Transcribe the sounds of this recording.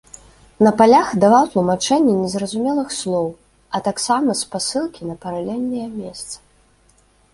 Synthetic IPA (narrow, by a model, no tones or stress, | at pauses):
nɐpalʲaxd̪avawt̪lˠumat͡ʂɛnʲːɛnʲɛzɾɐzumʲɛlˠɨxslˠɔw | ɐt̪aksamɐspasɨlˠkʲinɐpɐɾalʲɛlʲnʲːɐjɐmʲɛst̪sɐ̥